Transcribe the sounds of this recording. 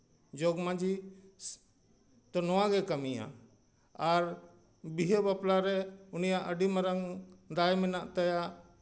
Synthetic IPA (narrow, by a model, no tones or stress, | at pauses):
d͡ʒoɡmãd͡ʒi | t̪ɔnɔwãɡɛkəmijã̰ | aɾ | biɦebaplaɾɛunijaʔəɖimɛɾəŋd̪ajmɛnaʔt̪əja